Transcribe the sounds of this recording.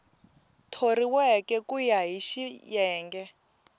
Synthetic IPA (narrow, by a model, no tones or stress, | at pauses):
tʰoriwɛkɛkujaɦiʃijɛːŋɡɛ